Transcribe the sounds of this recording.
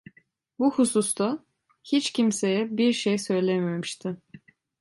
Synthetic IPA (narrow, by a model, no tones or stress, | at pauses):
buhusust̪ʰa | hit͡ʃcimse̞jɛbiɾʃejsø̞jlʲememiʃt̪ʰɪ